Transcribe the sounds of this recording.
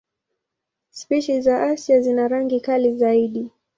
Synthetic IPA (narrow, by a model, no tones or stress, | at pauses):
spiʃizaʔasjazinaɾaŋɡikalizaiɗi